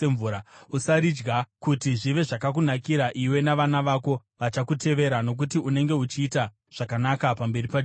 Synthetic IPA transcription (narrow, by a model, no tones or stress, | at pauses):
eɱvuɾausaɾid͡ʒɡakutiʐiʋe̞ʐakak̬unakiɾaʔiwe̞naʋanaʋaːko̞ | ʋat͡ʃakute̞ʋe̞ɾano̞k̬utiune̞ŋɡe̞ut͡ʃiːta | ʐ̥akanakapambe̞ripa